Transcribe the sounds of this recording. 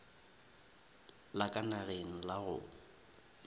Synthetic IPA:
lakʼanaɣeŋ̩laɣʊ̰

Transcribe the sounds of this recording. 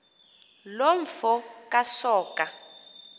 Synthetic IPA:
loɱ̩fɔkʼasɔːka

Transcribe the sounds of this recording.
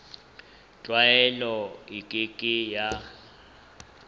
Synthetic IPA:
t͡ɬʼwajɛlɔikʼikʼija

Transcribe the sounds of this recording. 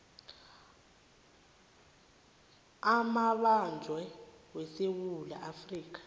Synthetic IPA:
amaɓand͡ʒʱwɛwɛsewula̰ʔafriːk̬ḁ

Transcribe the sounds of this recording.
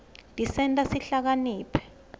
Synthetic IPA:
dʱisɛntʼasiɬak̬aniːpʰɛ̥

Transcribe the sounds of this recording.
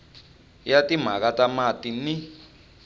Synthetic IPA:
jatim̤ak̬atamatini

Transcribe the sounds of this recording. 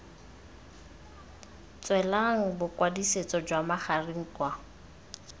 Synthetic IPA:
t͡sʼwɛlaŋ̩bʊkwadiset͡sʼɔd͡ʒwamaχariŋ̩kwa

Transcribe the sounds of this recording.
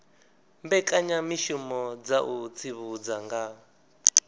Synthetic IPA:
mbɛkʼaɲamiʃumɔd͡zaʔut͡sʰiβud͡zaŋɡa

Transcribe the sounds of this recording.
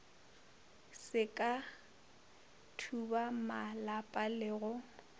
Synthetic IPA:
sɪkʼa | tʰubamalapʼalɪɣʊ

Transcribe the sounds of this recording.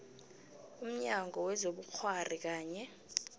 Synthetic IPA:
um̩ɲaŋɡɔwɛzoɓuk͡xʰwar̤ik̬aːɲɛ

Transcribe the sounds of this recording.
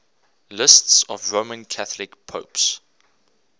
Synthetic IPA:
lɪstsɔvɹoʊmə̃nkʰaθəlɪkpʰoʊps

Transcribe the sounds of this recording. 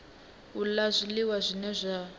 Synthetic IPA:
ulazʷiliwazʷinɛzʷa

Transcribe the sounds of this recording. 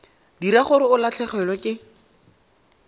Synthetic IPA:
diɾaχʊɾɪʊlat͡ɬʰɛχɛlwɛkʼɪ

